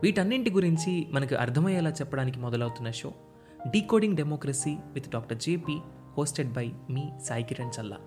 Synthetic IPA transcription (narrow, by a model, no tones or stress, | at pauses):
ʋiːʈɐnːiɳʈiɡuɾiɲt͡ʃimɐnɐkiʔɐ̰ɾt̪ʰɐmɐjɛlaːt͡ʃɛpːɐɽaːnikimɔd̪ɐlɐwt̪unːɐʃo̞ː | ɖiːkoːɖiŋɡɖemɔːkɾɐsiːʋit̪ɖaːk̚ʈɐɾd͡ʒeːpiː | hoːsʈeɖ̚bɐjmiːsaːjkiɾɐɳt͡ʃɐlːa̰